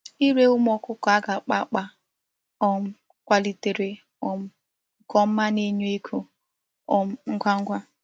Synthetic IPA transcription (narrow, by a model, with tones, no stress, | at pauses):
i˦ɾe˦ʊ˦m˦ɔ˨kʊ˦kɔ˨a˦ɡa˨k͡pa˦k͡pa˦ | ɔ˦m̩˦ | kʷa˦˨li˨te˨ɾe˨ | ɔ˨m̩˦ | kɔ˨m̩˦ma˦ne˦ɲo˦i˦kʰu˨ | ɔ˨m̩˦ŋ̩˦ɡʷa˦ŋ̩˦ɡʷa˦